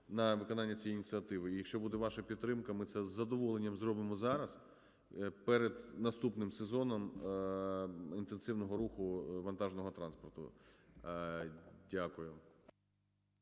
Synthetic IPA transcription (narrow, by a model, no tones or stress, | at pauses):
nɐʋɪkɔnɑnʲːɐt͡sʲijɛjinʲit̪sʲɨɐt̪ɪʋɪijɐkʃt͡ʃɔbud̪ɛʋɑʃɐpʲid̪t̪ːɾɪmkɐmɪsɛzːɐd̪ɔʋɔlˠenʲːɐmzɾɔbɪmɔzɑɾɐs | pɛɾed̪nɐst̪upnɪmsezɔnɔm | int̪ensɪwnɔɦɔɾuxʊʋɐnt̪ɑʒnɔɦɔt̪ɾɑnspɔrt̪ʊ̰ | dʲakʊjʊ